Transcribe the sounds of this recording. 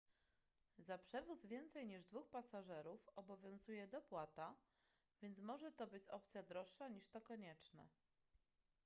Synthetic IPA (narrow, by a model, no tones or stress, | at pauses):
zapʂɛvuzvʲjɛnt̪sɛjɲiʐd̪vuxpasaʐɛɾufɔbɔvʲjɔ̃w̃zujɛd̪ɔpwat̪a | vʲjɛnt̪smɔʐɛt̪ɔbɘt͡ɕɔp̚t̪sʲjad̪ɾɔʂːaɲiʂt̪ɔkɔɲɛt͡ʂnɛ̰